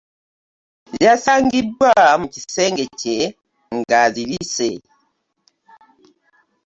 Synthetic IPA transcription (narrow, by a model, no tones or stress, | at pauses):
zjasaŋɡibwamukisɛŋɡɛt͡ʃɛ | ŋ̩ɡazilisɛ